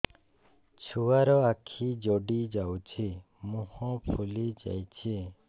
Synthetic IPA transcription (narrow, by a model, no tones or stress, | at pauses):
t͡ʃʰuaɾɔakʰid͡ʒɔɖid͡ʒawt͡ʃʰi | mũhɔ̃pʰulid͡ʒa̰jt͡ʃʰi